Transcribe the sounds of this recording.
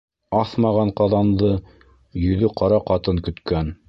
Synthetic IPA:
ɑθmɑʁɑɴqɑðɑnðɤ | jɵ̆ðɵqʰɑɾɑqɑt̪ɤŋkɵ̆t̪kæn

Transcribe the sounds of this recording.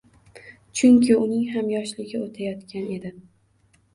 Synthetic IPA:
t͡ʃʰʊŋkʲʰɪʊnɪŋɦamjɒʃlɪɡʲɪot̪ʰajɒt̪kʲʰane̞d̪ɪ

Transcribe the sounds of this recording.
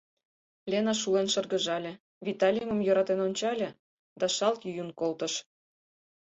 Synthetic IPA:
lʲenɑʃulenʃɤ̆rɡə̆ʒɑlʲĕ | vit̪ɑlʲiimə̆mjøɾɑt̪enonʲt͡ɕɑlʲĕ | d̪ɑʃɑlt̪jyjunkolt̪ə̆ʃ

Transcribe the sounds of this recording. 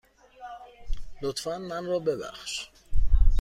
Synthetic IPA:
lot̪ʰfænmænrɒːbe̞bæ̰xʃ

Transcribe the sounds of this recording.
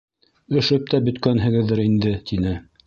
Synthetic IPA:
ɵ̆ʃɵp̚t̪æbɵ̆t̪kænɦɘ̆ɡɘ̆ðːɘɾind̪ɘt̪ʰinɘ

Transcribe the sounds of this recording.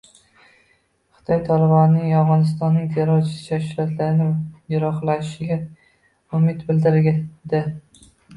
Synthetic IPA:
χʊ̥t̪ʰɒjt̪ʰɒlɪbɒnːɪŋɒwʁɒnɪs̬t̪ɒnːɪŋt̪ʰeɾɒt͡ʃʰɪ̥sɪ̥t͡ʃʰaʃɾat̪ʰlaɾɪnɪjʊɾɒχlaɪʃɪɡʲa | ʊmɪt̪bɪld̪ɪɾɡʲad̪ɪ

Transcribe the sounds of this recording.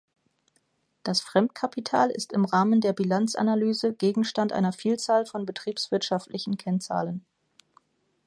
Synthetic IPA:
d̥asfʁ̥ɛmt̚kʰapitʰaːlɪ̰stɪmʁaːməndeːɐbilant͡sʔa̰nalyːzəɡ̥eːɡŋ̩ʃtantʔa̰ɪnɐfiːlt͡saːlfɔnbətʁ̥iːpsv̥ɪɐtʃaftʰlɪçn̩kʰɛnt͡sa̰ːlən

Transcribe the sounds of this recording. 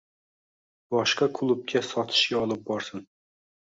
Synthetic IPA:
bɒʃqɑkʰʊlˠʊp̚kʲʰasɒt̪ʰɪ̥ʃkʲaɒlˠɪp̚bɒɾsɪn

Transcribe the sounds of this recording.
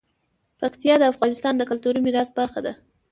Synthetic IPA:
pakt̪ijɑd̪əafɣɑnɪst̪ɑnd̪əkʊlt̪uɾimɪɾɑsbaɾxad̪a

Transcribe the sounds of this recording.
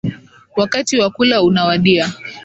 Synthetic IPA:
wakatiwakulaunawaɗia

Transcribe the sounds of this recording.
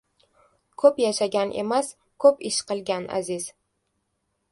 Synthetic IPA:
kʰɵpjaʃaɡʲanʔe̞̰mas | kʰɵpɪʃqɨlˠɡʲana̰zɪz

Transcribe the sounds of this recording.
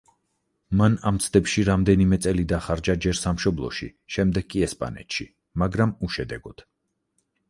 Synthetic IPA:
mana̰mt̪sʰd̪ɛpʃiɾamd̪ɛnimɛt̪sʼɛlid̪aχaɾd͡ʒad͡ʒɛɾsamʃɔblˠɔ̰ʃḭʃɛmd̪ɛɡkʼiɛspʼa̰nɛ̰t̪ʃi | maɡɾamuʃɛd̪ɛɡɔt̪ʰ

